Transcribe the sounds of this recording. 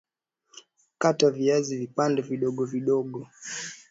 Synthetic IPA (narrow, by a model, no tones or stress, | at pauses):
kataviazivipandɛviɗɔɠɔviɗɔɠɔ